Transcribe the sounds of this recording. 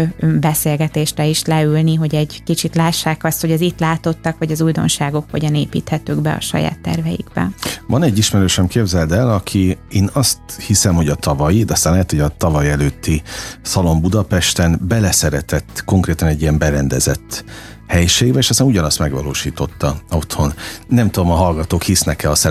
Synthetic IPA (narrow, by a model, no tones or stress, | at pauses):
bɛseːlɡɛt̪eːʃrɛiʃlɛylniɦo̞ɟɛɟkit͡ʃit̪laːʃːaːkɒst̪ho̞ɟɒzit̪laːt̪o̞t̪ːɒkʋɒɟɒzuːjd̪o̞̰nʃaːɡo̞kho̰ɟɒneːpḭːt̪hɛt̪øɡbɛɒ̰ʃɒ̰ja̰ːt̪ːɛ̰rvɛjḭɡbɛ̰vɒnɛɟːiʃmɛɾøːʃɛmkeːbzɛld̪ɛlɒkʰieːnɒst̪hisɛmho̞ɟɒt̪ʰɒvɒjid̪ɒst̪anlɛɦɛt̪hoɟɒt̪ɒvɒjɛløːt̪ːisɒlo̞mbud̪ɒpɛʃt̪ɛnbɛlɛsɛɾɛt̪ɛt̪ːko̞ŋkreːt̪ɒnɛɟːiɛmbɛɾɛnd̪ɛzɛ̰t̪ː | hɛjʃeːɡbɛeːʃɒst̪aːnuɟɒnɒst̪mɛɡʋɒ̰loːʃiːt̪o̞t̪ːɒo̞t̪ho̞nːɛmt̪ud̪o̞mɒɦɒlɡɒt̪oːkhisnɛkɛɒsɛ